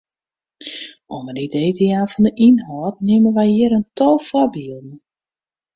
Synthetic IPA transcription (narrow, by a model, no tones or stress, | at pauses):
ʔonərdideːteaːfɔndəʔinɦɔːtnɪmənʋɛjɪəɾəntɔlˠfɔbiəlˠdn̩